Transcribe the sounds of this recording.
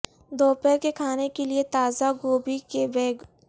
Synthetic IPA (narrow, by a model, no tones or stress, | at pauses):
d̪ɔːpɛkekʰaːnekeliet̪aːzaɡoːbikebeːɡ